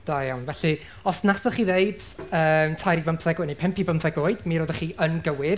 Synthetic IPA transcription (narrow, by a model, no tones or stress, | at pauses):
d̥ajawnvɛɬi | ɔsnaθəχiːðeɨd̥əːmtʰajɾivampʰɛɡwɛnipʰɛmpibəmfɛɡoːɨd̥miɾodəχiːʔənɡəwɪr